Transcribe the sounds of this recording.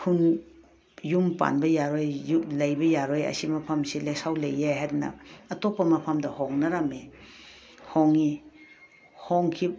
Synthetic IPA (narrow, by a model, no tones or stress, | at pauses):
kʰun | jumpa̰nbɐjaɾojjulɐjbɐjaɾojɐ̰simɐpʰɐmsilesawlejːaɦadnɐ̰ɐtopːɐmɐpʰamdɐhoŋnɐɾɐme | hoŋi | hoŋkʰi